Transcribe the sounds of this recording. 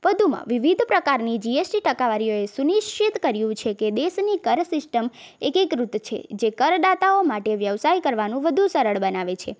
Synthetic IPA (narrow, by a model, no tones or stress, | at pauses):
ʋəd̪ʱumã̰ʋiʋid̪ʱpɾəkaɾnid͡ʒiesʈiʈəkaʋaɾijoesuniʃt͡ʃit̪kəɾjũt͡ʃʰeked̪eʃnikəɾsɪsʈəm | ekekɾut̪t͡ʃʰḛd͡ʒekəɾd̪at̪aomaʈeʋjəʋsaikəɾʋanũʋəd̪ʱũsəɾəɭbənaʋet͡ʃʰe